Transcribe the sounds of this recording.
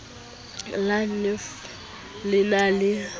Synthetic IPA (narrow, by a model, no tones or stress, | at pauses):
lanɪf | lɪnalɪ